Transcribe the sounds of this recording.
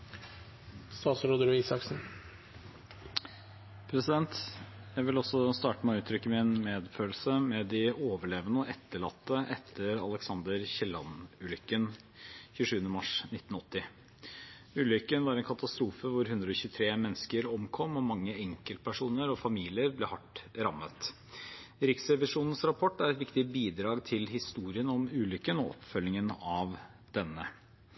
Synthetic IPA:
st̪ɑːsɾud̪əɾiːsɑksn̩ | pʰɾɛsɪd̪ɛnt̪jæɪʋɪlɔsːɔst̪ɑːʈəmɛʉːt̪ʰɾʏkːəmɪnmeːd̪føːlsəmɛd̪ɪoːʋəɭeːʋənəɔʔɛt̪ːəɭɑ̰t̪ːəʔɛt̪ʰːəɾɑ̰lɛksɑnd̪əɾçɛlɑnʉːlʏkːən | çʉːʂʉːənəmɑʂnɪt̪ːn̩ɔt̪ːɪ | ʉːlʏkːənʋɑːɾɛnkʰɑt̪ɑst̪ɾuːfəʋʊɾɦʉnd̪ɾəɔçʉːt̪ʰɾeːmɛnːskəɾɔmkʰɔmːɔmɑŋːəɛŋkəlt̪̚pʰæʂuːnəɾɔfɑmiːlɪəɾblɛhɑʈɾɑmːət̪ | ɾɪksɛʋɪʂuːnən̩sɾɑpʰɔʈːæɾɛt̪ʋɪkt̪ɪbiːd̪ɾɑːɡt̪ʰɪlɦɪst̪uːɾɪənɔmʉːlʏkːənɔ̰ʔɔ̰pfœlːɪŋənɑʋ | d̪̥ɛnːə

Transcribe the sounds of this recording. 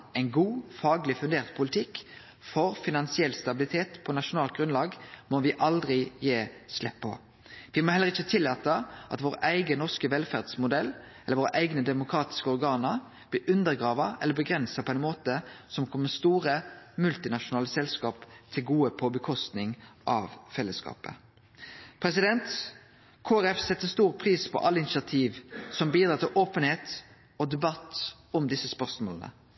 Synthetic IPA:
ɛɪnɡuːfɑːɡlɪfʉnd̪eːʁt̪pʰʊlɪt̪ʰɪkː | fɔɾfɪnɑnsɪɛlːst̪ɑbɪlɪt̪ʰeːt̪pʰɔnɑʃʊnɑːlt̪̚ɡʁʉnlɑːɡmɔʋɪʔɑld̪ʁɪjeːslɛ̰pʰːɔ̰ | ʋɪmɔhɛlːəʁɪçət̪ʰɪlːɑːt̪əʔɑ̰t̪ʋoːʁʔæɪɡənɔʁskəʋɛlfæʁd̪smʊd̪ɛlː | ɛləɾʋoːʁəʔæɪɡnəd̪ɛmʊkʰɾʁɑːt̪ɪ̥skəɔʁɡɑːnəɾ | b̥lɪʔʉnd̪əɾɡʁɑːʋɑɛ̰ləbəɡʁɛnsɑpʰɔæɪnmoːt̪əsɔmkʰɔmːəst̪uːʁəmʉlt̪ɪnɑʃʊnɑːləsɛlskɑːpt̪ʰɪlɡuːəpʰɔbəkʰɔst̪nɪŋʔɑʋfɛlːəskɑ̰ːpə̰ | pʰɾɛsɪd̪ɛnt̪ | kʰoːæʁɛfsɛt̪ːəst̪uːʁpʰʁiːspʰɔ̰ʔɑlːəɪnɪsɑt̪ʰiːʋsɔmbiːd̪ɾɑːt̪ʰɪlʔoːpənheːt̪ | ɔd̪ɛbɑt̪ː | ɔmd̪ɪsəspœʁsmoːlənə̰

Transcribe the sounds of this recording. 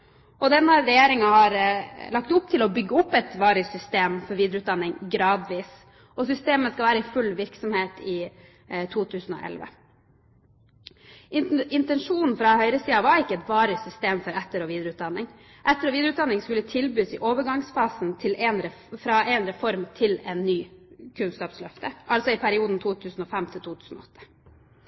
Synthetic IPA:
ʔɔd̪ɛnːəɾɛjeːɾɪŋɑhɑɾlɑk̚t̪ʊp̚t̪ʰɪlɔbʏɡːəʊpːɛt̪ʋɑːɾəsʏst̪eːmfɔɾʋiːd̪ɾəʉt̪̚d̪ɑnːɪŋɡɾɑːd̪ʋiːs | ɔsʏst̪eːməskɑlʋæːɾəɪfʉlːʋɪɾksɔmheːt̪ʰɪ | t̪ʰuːt̪ʰʉːsn̩ɔ̰ʔɛ̰lʋə̰ | ɪnt̪ɛnʂuːnn̩fɾɑhœʏɾəsiːəɑʋɑɪkːəɛt̪ʋɑːɾəsʏst̪eːmfɔɾɛt̪ːəɾɔʋiːd̪əɾəʉːt̪d̪ɑnːɪŋ | ʔɛt̪ːəɾɔʋiːd̪ɾʉt̪d̪ɑnːɪŋskʉlːət̪ʰɪlbyːsɪʔoːʋəɾɡɑŋsfɑːsn̩t̪ʰɪlɛnɾɛfɾɑʔɛnɾɛfɔɾmt̪ʰɪlɛnːyːkʰʉnskɑːpslœft̪əʔɑlsɔɪpʰæɾɪuːd̪n̩t̪ʰuːt̪ʰʉːsn̩ɔfɛmt̪ʰɪlt̪uːt̪ʰʉːsn̩ɔ̰ɔt̪ʰːə̥

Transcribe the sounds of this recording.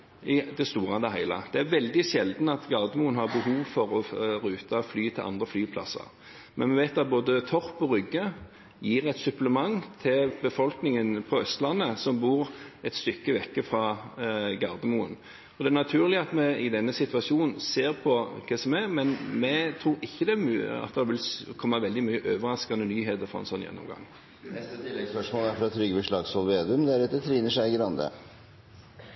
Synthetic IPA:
ɪd̪ɛst̪uːʁɑd̪ɛɦæɪlə̰d̪̥ɛæɾʋɛld̪ɪʃɛld̪nɑt̪ɡɑʁd̪əmuənhɑʁbəhuːʋfɔɾɔɾʉːt̪ʰɑflyːt̪ʰɪlʔɑ̰nd̪ʁəflyːpʰlɑ̰sə̰ɾ | mɛnmɛʋæɪt̪ːɑt̪̚boːd̪ət̪ʰɔʁpɔʁʏɡːə | jiːʁɛt̪sʉpləmɑŋt̪ʰɪlbəfɔlknɪŋənpʰɔœst̪lɑnːəsɔmbuːɾʁɛt̪st̪ʏkːəʋɛkːəfɾɑ | ɡɑʁd̪əmuən | ɔd̪ɛæɾnɑt̪ʰʉːɾlɪɑt̪mɛɪd̪ɛnːəsɪt̪ʋɑʃuːnn̩seːɾpʰɔkʰɛsɔmæɾmɛnmɛt̪ʰɾuːɾɪçːəd̪ɛæmːɑ̰t̪̚d̪ɛɑʋɪlkʰɔmːɑʋɛld̪ɪmyːəʔøːʋəɾɑskɑnənyːɦeːt̪əɾfɔɛ̰nsɔnːjɛ̰nːɔ̰mɡɑ̰ŋː | ɛst̪t̪ʰɪlːɛɡspœʂmoːlæɾfɔɾɑt̪ʰɾʏɡːəbəʂɭɑɡsɔlˠʋeːd̪ʉmd̪æɾɛt̪ːət̪ʰɾiːnəʂæɪɡəɾɑnd̪ə̰

